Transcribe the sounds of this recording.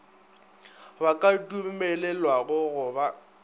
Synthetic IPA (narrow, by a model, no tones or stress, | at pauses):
bakʼadʼumɛlɛlwaɣʊɣʊba